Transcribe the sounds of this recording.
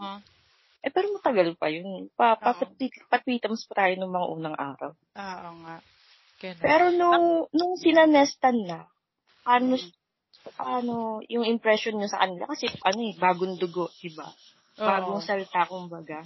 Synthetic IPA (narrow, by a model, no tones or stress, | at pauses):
ʔɛpɛːɾomɐt̪ɐɡɐlpɐ̰jonɛpɐpɐpɐt̪̚it̪pɐt̪̚wiːt̪ɐmspɐt̪aːjonʊŋmɐŋa̰ʔuːnɐŋʔa̰ːɾɐ̰w | oʔoŋa | pɛːɾo̞nʊŋnʊŋsɪnɐnɛst̪ɐnːɐ | paːno | ɐpaːno̞jʊŋʔɪmpɾɛʃonɲosɐkɐnɪla̰kɐsɛʔɐno̞ɛbaːɡoŋd̪ʊɡo̞ʔd̪̥ɪba̰ | baːɡoŋsɐlt̪akʊmbɐɡa